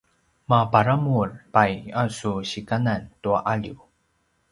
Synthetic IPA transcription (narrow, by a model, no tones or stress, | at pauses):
mapaɾamurpajasuɕikanantuaʔaʎju